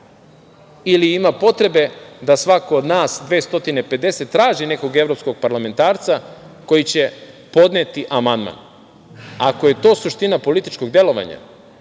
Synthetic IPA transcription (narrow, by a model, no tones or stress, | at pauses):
iliimapo̞t̪ɾe̞be̞d̪asʋako̞ːd̪naːsd̪ʋeːst̪o̞t̪inepe̞d̪e̞se̞t̪ːɾaːʒine̞ko̞ɡevɾo̞psko̞ɡ̚paɾlame̞nt̪aːɾt̪sa | ko̞jit͡ɕe̞ | po̞d̪net̪iʔamand̪ma̰n | ako̞je̞t̪o̞ːsuʃt̪inapo̞lit̪it͡ʃko̞ɡd̪e̞lˠo̞ʋa̰ɲa̰